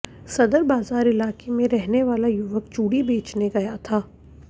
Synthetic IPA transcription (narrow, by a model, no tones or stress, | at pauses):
sɐd̪əɾbaːzaːɾɪlaːkemẽɾɛɦneʋaːlajʊʋək̚t͡ʃuːɽibeːt͡ʃneɡɐjat̪ʰaː